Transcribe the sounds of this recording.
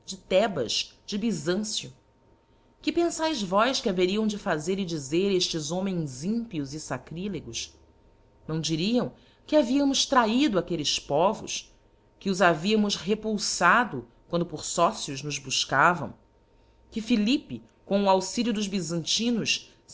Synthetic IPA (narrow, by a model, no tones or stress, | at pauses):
d͡ʒɪt̪ɛbɐʃd͡ʒɪbizɐ̃sjʊ | kɪpẽsajzvɔjʃkʲɪaveɾiɐ̃w̃d͡ʒɪfazeɾɪd͡ʒizeɾeʃt͡ʃɪzõmẽj̃zĩmpiuzɪsakɾileɡʊʃ | nɐ̃w̃d͡ʒiɾiɐ̃w̃ | kɪaviɐmʊʃt̪ɾaid̪ʊakelɪspɔvʊ̰ʃ | kɪʊzaviɐmʊʃɦepuwsad̪ʊ | kwɐ̃nd̪ʊpʊɾsɔsjʊznʊzbuʃkavɐ̰̃w̃ | kɪfilipɪ | kõʊawsiljʊd̪ʊzbizɐ̃nt͡ʃĩnʊʃ